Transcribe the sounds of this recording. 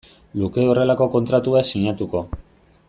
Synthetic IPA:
luke̞o̞re̞lako̞ko̞nt̪ɾat̪uasiɲat̪uko̞

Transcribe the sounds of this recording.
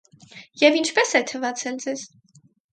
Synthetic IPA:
jɛvint͡ʃʰpɛsɛt̪ʰəvɑt͡sʰɛld͡zɛz̥

